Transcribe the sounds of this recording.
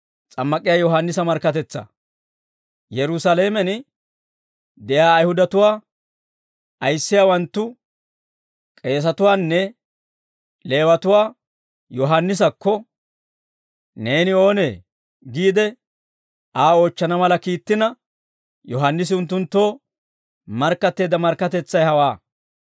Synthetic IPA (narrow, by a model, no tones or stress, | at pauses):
t͡sʼɐmːɐkʼɪjaːjɔɦanːɪsɐmɐɾkːɐt̪̬ɛt͡sːɐ̰ | jɛɾʊsɐleːmɛn | d̪ɛjaːjhʊd̪ɐt̪ʊwaː | ɐjsːɪjaːwɐnt̪ːʊ | kʼe̞ːs̬ɐt̪ʊwaːnːɛ | le̞ːwɐt̪ʊwaː | jɔɦɐnːɪs̬ɐkːɔ | ne̞ːnɪo̞ːne̞ː | ɡiːd̪ɛ | aːo̞ːt͡ʃːɐnɐmɐlɐkiːt̪ːɪnɐ | jɔɦɐnːɪs̬ɪʊnt̪̬ːʊnt̪ːo̞ː | mɐɾkːɐt̪ːe̞ːd̪ɐmɐɾkːɐt̪ɛt͡sːɐjhɐwaː